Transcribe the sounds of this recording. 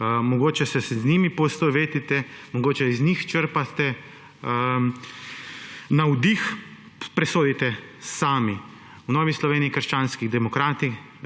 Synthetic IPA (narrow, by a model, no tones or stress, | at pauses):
mɔɡoːt͡ʃɛsɛszniːmipɔst̪oʋeːt̪it̪ɛmɔɡoːt͡ʃɛznixt͡ʃəɾpat̪ɛ | nawd̪ix | pɾɛsoːd̪it̪ɛsaːmi | wnɔːʋislɔʋeːniikəɾʃt͡ʃaːnskiɣd̪ɛmɔkɾaːt̪ix